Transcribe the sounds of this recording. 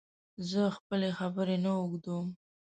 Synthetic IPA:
zəxpəlexabəɾenaʊɡd̪um

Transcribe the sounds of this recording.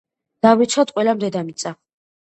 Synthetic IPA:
d̪̥avit͡ʃʰχat̪ʼqʼwɛlamd̪ɛd̪amit̪sʼa

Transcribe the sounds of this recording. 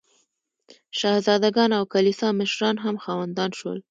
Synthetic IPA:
ʃɑhzɑd̪aɡɑnawkalisɑməʃɾɑnɦamxɑwand̪ɑnʃwə̰l

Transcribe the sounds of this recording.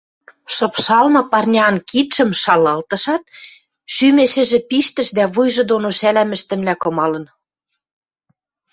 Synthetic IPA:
ʃɤ̆pʃɑlmɤ̆pɑrnʲɑnkit̪ʃə̆mʃɑlɑlt̪ɤ̆ʃɑt̪̚ | ʃymeʃɘ̆ʒĕpiʃt̪ə̆ʃd̪æβujʒɤ̆d̪onoʃælæmɘ̆ʃt̪ɘ̆mlækɤ̆mɑlɤ̆n

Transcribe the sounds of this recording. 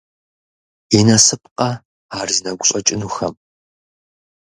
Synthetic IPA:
ɛnɐsɨp̚qɐ | aːrzɨnɐɡʷʊɕʼɐt͡ʃʼɪnuxɐm

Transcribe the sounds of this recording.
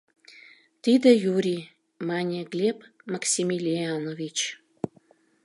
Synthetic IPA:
t̪id̪ə̆juɾʲi | mɑnʲeɣlʲepmaksʲimʲilʲianovʲit͡ɕ

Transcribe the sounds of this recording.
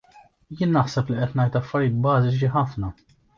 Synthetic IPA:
jɪːnːɐħsɛpliʔɛt̪nɐjt̪ɐfːɐɾjiːt̪̚bɐːzɪt͡ʃiħɐfnɐ

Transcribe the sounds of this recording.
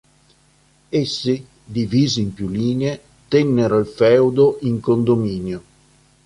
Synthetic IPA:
esːi | d̪iviːziːmpjuliːnee | t̪ɛnːeɾoilfɛwd̪oʔiŋkond̪omiːnjo

